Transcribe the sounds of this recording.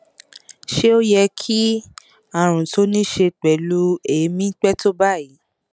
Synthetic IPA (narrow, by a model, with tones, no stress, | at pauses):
ʃe˦o˦jɛ˧kʰi˦ | a˨ɾ̃ũ˨to˦nĩ˦ʃe˧k͡pɛ˨lu˦e˨˦mĩ˦k͡pɛ˦to˦ba˦˨ji˨˦